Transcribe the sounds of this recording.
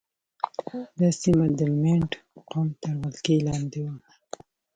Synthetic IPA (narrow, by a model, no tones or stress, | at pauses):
d̪ɑsimad̪əmeɳʈqomt̪aɾwalkelɑnd̪ewa